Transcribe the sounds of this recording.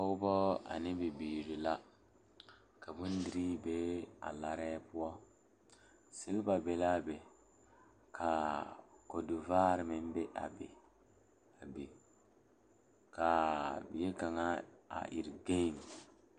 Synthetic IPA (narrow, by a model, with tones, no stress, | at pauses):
a˦ʊ˦bɔ˦a̰˨nɪ˦bi˨biː˨ɾi˨la˦ | ka˨bu˦n˦di˨ɾi˦be˦a̰˨la˦ɾɛː˦pʊ˦ɔ˦ | sɪ˦lba˨be˨la˦be˨ | kʰa˨ko˨du˨vaː˦ɾɪ˨mɪ˦m˦be˦ʔa̰˨bḛ˨ | a˨bi˨ | ka˨bi˨je˦ka˨ŋa˦a̰˨ʔḭ˨ɾɡe˦˨ŋ